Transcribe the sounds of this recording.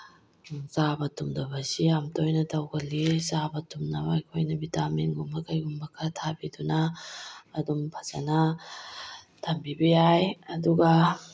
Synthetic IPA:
zabɐtumdɐbɐsiamtojnɐtɐwɡɐlːizabɐtumnɐmajkʰojnɐbitaminɡumbɐkʰajɡumbɐkʰːatʰabidunɐː | dumpʰɐ̥zɐnɐ | tʰɐmbibɐjajɐduɡɐ

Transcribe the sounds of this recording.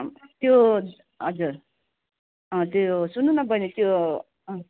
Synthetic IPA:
t̪jo | ɦʌd͡zuɾ | ʌ̃t̪josunːunʌbʱʌnit̪jõ

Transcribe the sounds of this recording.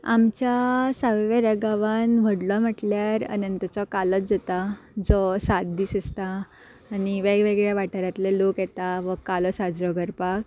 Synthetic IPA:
a̰mt͡ɕasəʋʋeɾəɡaʋanʋ̤ʱəɽlɔm̤əʈljaɾə̰nənt̪ət͡sɔkalət͡s̚d͡zat̪ad͡zɔsat̪̚d̪iːsəst̪aː | ñiʋeɡʋeɡɭjaʋaʈaɾjat̪lelokjɛt̪aʋəkalɔsad͡zɾɔɡəɾpak

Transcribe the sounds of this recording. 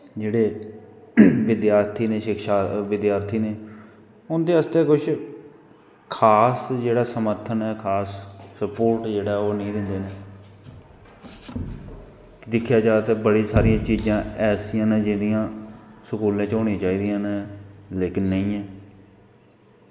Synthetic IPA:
d͡ʒeːɽeː | ʋɪd̪jaːɾt̪ʰiːneːʃɪkʃaːʋɪd̪jaːɾt̪ʰiːneː | ʊnd̪eːəst̪eːkʊt͡ʃʰ | kʰaːsd͡ʒeːɽaːsəməɾt̪ʰənɛːkʰaːsːəpoːɾʈd͡ʒeːɽaːoːnə̃ĩːd̪ɪ̃nd̪eːneː | d̪ɪkʰːjaːd͡ʒaːd̪aːt̪eːbəɽiːsaːɾijãːt͡ʃiːd͡ʒãːɛːsijãːneːd͡ʒɪd̪ijãːsəkuːlẽːt͡ʃoːɽ̃ĩːt͡ʃaːiːd̪ijãːneleːkɪnːəĩːɛ̃ː

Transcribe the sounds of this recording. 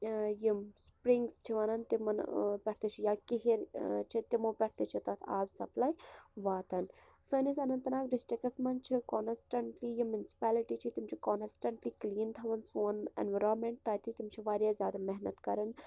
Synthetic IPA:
jimspɾiŋɡst͡ʃʰiʋɐnɐnt̪imɐnpʲɛʈʰt̪et͡ʃʰijaːkiɦiɾt͡ʃʰit̪imupʲɛʈ̚ʰt̪et͡ʃʰit̪ɐt̪ʰa̰ːbsɐ̰plaːjʋaːt̪ʰɐn | sɐnisʲɐnɐnt̪ɐnaːkɖɪsʈɾikɐsmɐnt͡ʃʰikonsʈɐɳʈlijimjunsi̥paːliʈit͡ʃʰit̪imt͡ʃʰikonsʈɐɳʈliːkliːnt̪ʰɐʋɐnsuːnḛnʋɐɾoːnmeɳʈ̚t̪aːt̪ʰit̪imt͡ʃʰiʋaːɾjazʲjaːd̪amɛɦnɐt̪kɐɾɐn

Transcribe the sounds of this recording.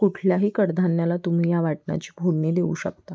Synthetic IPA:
kuʈʰljaɦiːkəɽd̪ʱanjalat̪um̤iːjaʋaʈna̰t͡ɕiːbʱolɳid̪eṵːɕə̰k̚t̪a

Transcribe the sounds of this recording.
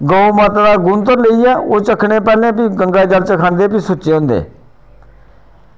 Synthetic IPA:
ɡoːomaːt̪ad̪aːɡʊnt̪əɾləiːɛːoːt͡ʃəkʰɳẽːpɛːlẽːpiːɡəŋɡaːd͡ʒəlt͡ʃəkʰãːnd̪eːpiːsʊt͡ʃeːɦʊ̃ːnd̪ḛː

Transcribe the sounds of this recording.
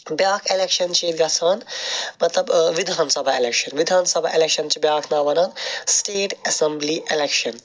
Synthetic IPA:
bjaːkʰelekʃɐnt͡ʃʰiːd̪ɡɐsʰaːnmɐt̪lɐbʋid̪ʱaːnsɐbʱaelekʃɐnʋid̪ʱãːnsɐbʱɐ̰ʔelekʃɐnt͡ʃʰibjaːkʰnaːʋɐnãːnsʈeːʈɐsembliʔelekʃɐn

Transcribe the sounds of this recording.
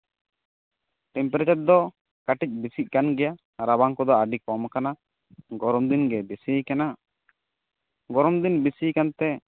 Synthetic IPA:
ʈɛmpɛɾat͡ʃaɾd̪ɔ | kaʈic̚ˀbisic̚kanɡɛja | ɾabaŋkɔd̪ɔaɖikɔmkana | ɡɔɾɔmd̪inɡɛbisikana | ɡɔɾɔmd̪inbisikant̪ɛ

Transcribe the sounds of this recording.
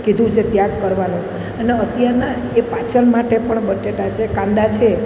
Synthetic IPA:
kid̪ʱũt͡ʃʰet̪jaɡkəɾʋanũ | əneət̪jaɾna | epat͡ʃənmaʈepəɳbəʈeʈat͡ʃʰekãnd̪at͡ʃʰe

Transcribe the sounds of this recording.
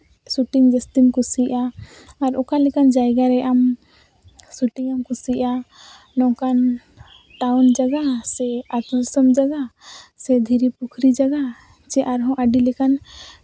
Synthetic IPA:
suʈiŋd͡ʒəst̪imkusiʔaː | ɾɔkalikand͡ʒajɡaɾɛʔam | suʈiŋəmkusiʔa | nɔ̃kan | ʈaʊnd͡ʒaɡasɛat̪ud̪səmd͡ʒaɡasɛd̪ʱiɾipukʰɾid͡ʒaɡa | t͡ʃɛʔaɾɦɔ̃ʔaɖilikan

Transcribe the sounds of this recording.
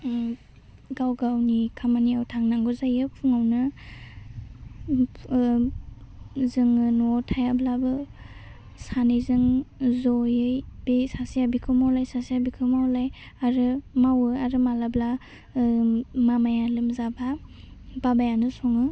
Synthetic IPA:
ɡawɡawnikʰamaniawtʰaŋnaŋɡɔzajɯpʰuŋawnɯ | zɯŋɯnɔtʰajablabɯ | sanizɯŋzɔjɯjb̥esasijabikʰɯmawlajsasijabikʰɯmawlaj | aɾɯmawɯaɾɯmalabla | mamajalɯmzaba | babajanɯsɔŋɯ

